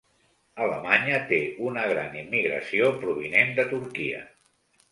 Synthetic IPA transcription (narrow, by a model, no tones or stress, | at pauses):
ələmaɲət̪eunəɣ̞ɾanimːiɣɾə̰siopɾuβ̞inend̪ət̪uɾkiə̰